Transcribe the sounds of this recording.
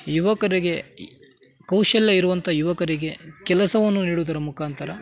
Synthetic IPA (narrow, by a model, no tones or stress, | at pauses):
juʋɐkɐɾiɡe̞ | kɐwʃɐlːɐiɾuʋɐnt̪ʰɐjuʋɐkɐɾiɡe̞kɛlɐsɐʋɐnːuniːɽud̪ɐɾɐmukʰaːnt̪ʰɐɾɐ